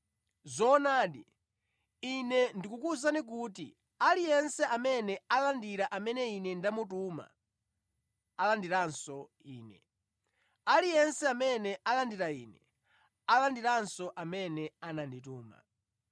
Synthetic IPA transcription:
zɔːnaːɗḭ | inɛndikukus̬anik̬uːt̬ḭ | alijɛnsɛʔamɛnɛalandiɾaʔamɛnɛinɛndamutuma̰ | alandiɾansɔ | iːnɛ̰ | alijɛnsɛamɛnɛʔalandiɾaḭːnɛ | alandiɾansɔʔamɛnɛanandituːma̰

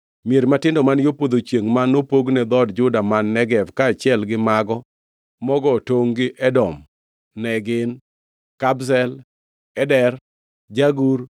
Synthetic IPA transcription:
mjeɾmatɪndɔmanjopod̪ot͡ʃjeŋmanːopoɡnɛd̪ɔdd͡ʒʊdamanːɛɡɛfkaːt͡ʃɪɛlɡɪmaɡɔ | mɔɡɔtoŋɡɪʔɛdɔm | nɛɡɪn | kabsɛl | ɛdɛr | d͡ʒaɡuɾ

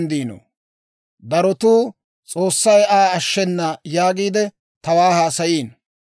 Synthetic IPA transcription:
nd̪iːno̰ː | d̪ɐɾɔt̪uː | t͡sʼo̞ːsːɐjaːɐʃːɛnːɐjaːɡiːd̪ɛ | t̪ɐwaːhaːsɐjiːn

